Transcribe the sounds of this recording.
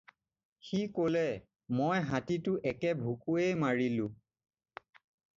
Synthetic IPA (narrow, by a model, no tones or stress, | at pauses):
xikolɛ | mojɦatitʊʔɛkɛbʱukuejmaɹilʊ̃